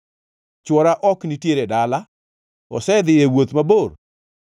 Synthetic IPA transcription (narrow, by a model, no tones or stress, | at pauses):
t͡ʃwɔɾaʔɔknitjeɾedala | ɔ̰sɛd̪ɪjewot̪mabor